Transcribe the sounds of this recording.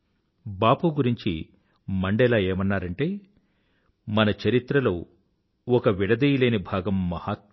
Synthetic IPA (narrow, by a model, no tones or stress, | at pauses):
baːpuɡuɾiɲt͡ʃi | mɐɳɖɛlaːeːmɐnːaːɾɐɳʈeː | mɐnɐt͡ʃɐɾit̪ɾɐloː | ɔkɐʋiɽɐd̪ɐjuleːnibʱaːɡɐmːɐhaːt̪̚